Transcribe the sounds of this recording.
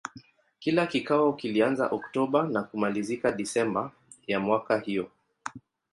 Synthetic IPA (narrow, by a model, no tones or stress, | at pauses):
kilakikawɔkilianza̰ʔɔktɔɓanakumalizikaɗisɛmba | jamwakahijɔ